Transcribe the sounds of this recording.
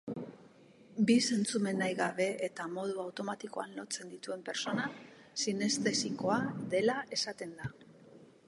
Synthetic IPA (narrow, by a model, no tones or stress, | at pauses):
bise̞nt͡sume̞nːajɣaβ̞e̞ʔet̪amo̞ð̞uawt̪o̞mat̪iko̞anlo̞t͡se̞nd̪it̪ue̞mpe̞ɾso̞na | sine̞st̪e̞siko̞aðe̞laʔe̞sat̪e̞nd̪a